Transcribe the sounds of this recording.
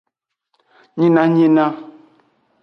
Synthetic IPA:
ɲi˦na˦ɲi˦na˦

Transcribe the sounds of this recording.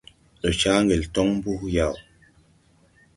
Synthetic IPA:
ɗo˨t͡ʃa˦ŋɡe˨ltɔ˦ŋm˦bu˦hja˨w

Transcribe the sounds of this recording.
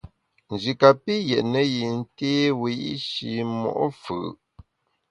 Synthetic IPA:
n̩˨d͡ʒi˨ka˨pi˦jɛ˨ʔnə˦ji˨n̩˦teː˦wi˨˦i˦ʃi˨mɔ̰˨ʔfɨ̰˨

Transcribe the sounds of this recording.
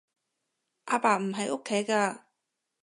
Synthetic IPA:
ʔaː˧paː˨m̩˨˩ɦɐ˨jʔo˥kʰːe˨˥jkaː˧

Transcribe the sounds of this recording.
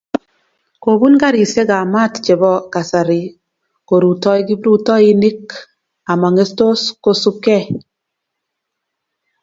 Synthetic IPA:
ko˨bu˦nɡa˦ɾi˨se˦ɡa˨ma˦˨tt͡ʃe˨bɔ˦ka˨sa˨ɾi˨ | ko˨ɾu˨tɔ˦i˦ɡi˦bɾu˦tɔ˦i˦ni˦k | a˨ma˨ŋe˦sto˦sko˦su˦pkɛ˦˨

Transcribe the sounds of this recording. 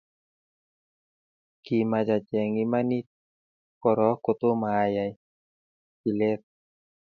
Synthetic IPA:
ki˨ma˨d͡ʒa˨t͡ʃɛ˨ŋi˦ma˦ni˦t̪̚ | kɔ˨ɾɔ˨˦ko˨t̪o˦maː˨ja˨ | i˨lɛ˦t̪̚

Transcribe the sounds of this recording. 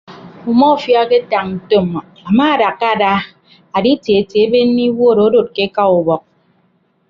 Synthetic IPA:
u˨mɔ˦˨fja˦ke˦ta˨ŋn̩˨to˦˨m˨ | a˨ma˦˨da˨kːa˦˨da˦ | a˨di˦te˨e˨te˨e˦be˦n̩˦ni˦wo˦˨ɾo˨˦do˨t̚ke˦ka˦u˨bɔ˨k̚

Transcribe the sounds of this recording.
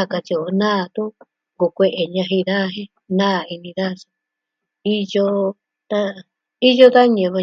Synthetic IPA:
a˦˧ka˧t͡ʃi˧o˨nãː˦˧t̪u˦ | ɡo˨kʷe˧ʔe˨ɲã˧ɦi˧ða˦˧ɦẽ˦ | nãː˦˨i˧nĩ˧ða˦˧sḁ˧ | i˦jo˧ | t̪a˧ | i˦jo˦ða˦ɲẽ˧˨˧βa˧

